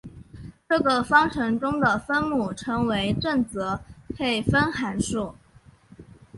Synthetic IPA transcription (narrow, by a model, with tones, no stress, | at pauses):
ʈ͡ʂɤ˥˩ɡə˨˩fɑ˥ŋʈ͡ʂʰɤ˧˥ŋʈ͡ʂʊ˥ŋd̪ə˨˩fə˥nmu˥˩ʈ͡ʂʰɤ˧˥ŋwe˧˥ɪʈ͡ʂə˥˩nt͡sɤ˧˥pʰe˥˩ɪfə˥nxa˧˥nʂu˥˩